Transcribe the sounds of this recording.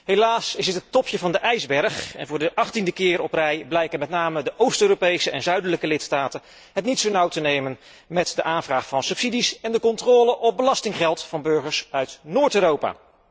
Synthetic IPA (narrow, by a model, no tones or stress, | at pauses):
ɦejlaːsɪsətɦətɔpjəvɑndəʔɛjzbɛɹχɛ̰nvʊːɹdəʔɑχtindəkɪːɹɔprɛjblɛjkənmɛtnaːmədəʔowstøːropejsəɛnzœɥdələkəlɪtstaːtən | ɦətnitsownɑwtənejmən | mɛtdəʔaːnvraːχfɑnsɵpsidisɛndəkɔntrɔːləʔɔb̚bəlɑstɪŋχɛlˠtfɑnbɵɹχəɹsœɥtnʊːɹtøːrowpa̰ː